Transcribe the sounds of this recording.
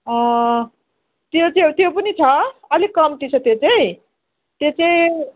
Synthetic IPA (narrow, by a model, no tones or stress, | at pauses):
ʌ̃ | t̪jot͡sot̪jopʌnit͡sʰʌʌlikʌmt̪it͡sʰʌt̪jot͡saĩ | t̪jot͡saĩ